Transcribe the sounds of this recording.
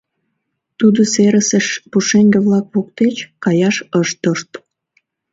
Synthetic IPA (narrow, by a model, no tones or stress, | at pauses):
t̪ud̪oseɾəsəʃpuʃeŋɡeβlɑkβok̚t̪et͡ɕkɑjɑʃəʃt̪oʃt̪